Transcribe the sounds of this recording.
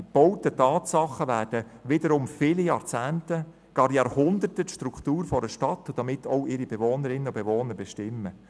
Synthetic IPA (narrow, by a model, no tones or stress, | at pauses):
ib̥ɔwtətɑːtsɑχːəʋæːrd̥əʋɪdəɾʊmfɪlijɑːɾt͡sæːntə | ɡ̥ɑːɾjɑːɾhʊnd̪ətətʃtɾukχtuːɾfɔɾəʃtɑt̪ːʊd̥ɑmɪtɔʊɪɾibevoːnəɾɪnːəʊb̥evoːnəɾbɛʃtɪmːə